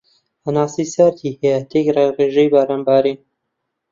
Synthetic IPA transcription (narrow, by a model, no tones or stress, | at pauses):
anaːsisaɾt̪ʰiːhejat̪ʰekrereːʒejbaɾaːnbaːɾin